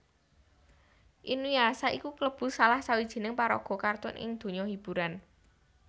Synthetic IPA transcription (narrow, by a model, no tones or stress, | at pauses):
ʔinwiasaʔikukləb̥ʊ̤salahsawid̥ʒ̥i̤nɪŋpaɾɔ̰ɡ̥ɔ̤kart̪ʊ̰nʔɪ̰ŋd̪̥o̤ɲɔhib̥ṳɾan